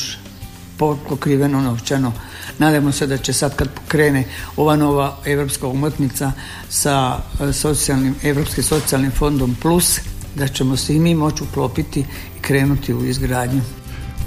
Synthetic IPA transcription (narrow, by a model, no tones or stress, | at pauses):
popokɾiʋe̞nonoʋt͡ʃano | naːd̪amose̞d̪at͡ʃe̞sad̪kad̪̚pokɾe̞ːne̞o̞ʋano̞ːʋae̞ʋɾo̞pskaomot̪nit̪sa | saso̞t̪sijalnime̞ʋɾo̞ːpskimso̞t̪sialnimfo̞nd̪o̞mplusd̪at͡ʃe̞mo̞simiːmo̞t͡ʃuklˠo̞ːpit̪i | ikɾe̞ːnut̪iuizɡɾaːd̪ɲu